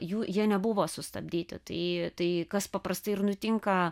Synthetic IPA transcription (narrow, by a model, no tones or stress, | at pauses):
juːjiɛnʲɛbʊʋoːsʊst̪ɐ̰bʲd̪ʲiːt̪ʲɪ̰t̪ɐɪt̪ɐɪkɐspɐpɾɐst̪ɐɪɪɾnʊt̪ʲɪŋkɐ